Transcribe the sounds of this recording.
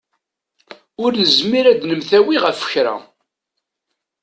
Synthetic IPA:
ʊɾnəzmiɾæd̪nəmθæwiʁəfə̥çɾæ̰

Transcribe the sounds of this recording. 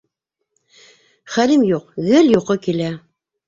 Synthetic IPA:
χælimjuq̚ɣɘljuqɤkilæ

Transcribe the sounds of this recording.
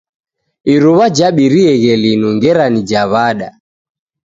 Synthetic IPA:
iɾuβad͡ʒaɓiɾiɛɣɛlinuŋɡɛɾanid͡ʒaβaɗa

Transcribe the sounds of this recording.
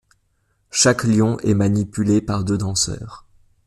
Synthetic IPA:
ʃakljɔ̃ʔɛmanipylepaʁd̪ød̪ɑ̃sœ̰ːʁ

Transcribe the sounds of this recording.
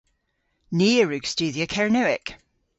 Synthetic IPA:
niːəɹʉɡ̥stʉːðiəkʰɛɹnəɪk

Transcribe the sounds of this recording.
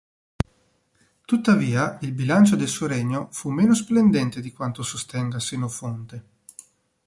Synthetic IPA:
t̪ut̪ːaviːailbilant͡ʃod̪elsuːoɾɛɲːofumːeːnos̬plend̪ɛnt̪ed̪ikwant̪osost̪ɛŋɡasenofont̪e

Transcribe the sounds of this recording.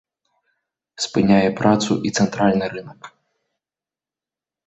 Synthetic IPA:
spɨnʲajɛpɾat̪sṵʔit̪sɛnt̪ɾalʲnɨɾɨnɐk

